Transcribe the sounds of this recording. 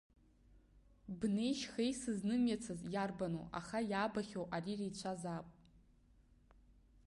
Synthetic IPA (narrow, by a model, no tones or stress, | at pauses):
bne̞jʃχejsɨznɨmjat͡sʰazjarbano̰a̰χajaːbaχʲowʔarirejt͡ɕʷʰazapʼ